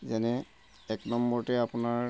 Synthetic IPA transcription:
zɛnɛ | ɛknɔmbɔɹtɛapʊnaɹ

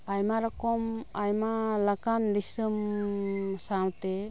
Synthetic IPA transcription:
ajmaɾɔkɔmajmalakandisɯm | sawt̪e

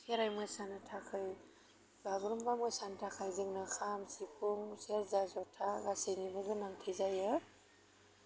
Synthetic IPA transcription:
kʰeɾajmɯsanɯtʰakʰɯj | baɡɾɔmbamɯsantʰakʰajzɯŋnɯkʰamsipʰuŋseɾzazɔtʰaɡasejnibɯɡɯnaŋtʰɯjzajɯ

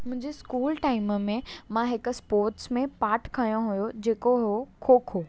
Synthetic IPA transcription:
mʊ̃ɦɪ̃ɲd͡ʑeskuːlʈaːɪməmẽmãɦɪkʊ̆spoːɾʈsmẽpaːɾʈʰkʰɐjõɦujod͡ʑeːkoɦokʰoːkʰoː

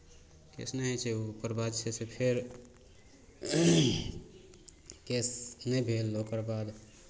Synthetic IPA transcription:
kḛsnəɦɛt͡ʃʰeupəɾbad̪sʰesepʰeɾ | kesnɛbʱelːokəɾbad̪

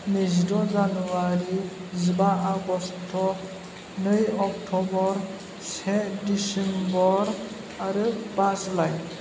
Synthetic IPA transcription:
nizdɔzanuwaɾizibaʔaɡɔstʰɔ | nɯjɔk̚tʰɔbɔɹ | sɛdisɛmbɔɹ | aɾɯpaslaj

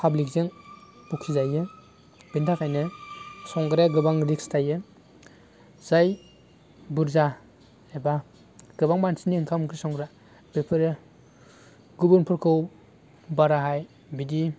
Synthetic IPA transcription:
pʰablik̚zeŋ | pukʰizajɯ | b̥intʰakʰajnɯsɔŋɡɾaɡɯbaŋɾikstʰajɯ | z̥aj | buɾza | eba | ɡ̥ɯbaŋmansiniːŋkʰamkisɔŋɡɾa | b̥epʰɯɾe | ɡubunpʰɯɾkʰɯw | baɾaɦaj | bidi

